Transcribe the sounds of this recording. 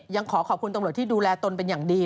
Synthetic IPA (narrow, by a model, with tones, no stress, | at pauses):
ja˧ŋkʰɔː˩˦kʰɔː˨˩p̚kʰu˧nt̪mɾt̪ʰiː˥˩duː˧lɛː˧t̪o˧npe˧njaː˨˩ŋdiː˧